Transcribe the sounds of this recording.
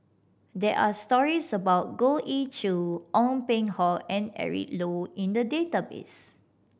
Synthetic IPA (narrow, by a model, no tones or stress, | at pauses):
dɛʔastɔɹisəbawt̚ɡoʔit͡ʃuʔɔ̃mpẽŋhɔlɛ̃nɛ̰ɹḭtloĩndədetabḛs